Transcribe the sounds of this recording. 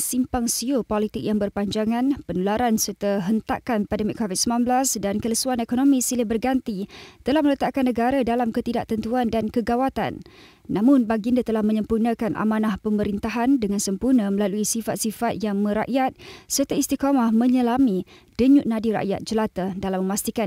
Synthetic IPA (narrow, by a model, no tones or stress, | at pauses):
simpaŋsiopolit̪ɪk̚jaŋbərpaɲd͡ʒaŋanpənulaɾansərt̪əɦənt̪a̰kanpandəmikʰːovit̪̚səmlanblasdankələsuanekonomĩsilibərɡant̪it̪əlahmələt̪aʔkanːəɡaɾadalamkət̪idaʔt̪ənt̪uandankəɡawat̪a̰nː | amʊnbaɡindat̪əlahmə̃ɲəmpurnəkanʔa̰manahpəməɾint̪aɦandəŋansəmpurnə̃məlaluisifat̪̚sifat̪̚jaŋmə̃ɾa̰ʔjat̪̚sərt̪aist̪ikomahmə̃ɲəlami | d̥əɲʊʔ̚nadiɾa̰ʔja̰t̪̚d͡ʒəlat̪adalaməmast̪ikan